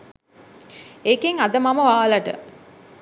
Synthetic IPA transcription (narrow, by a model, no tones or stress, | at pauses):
ekeŋɐd̪ɐmamɐʋaːlɐʈə̰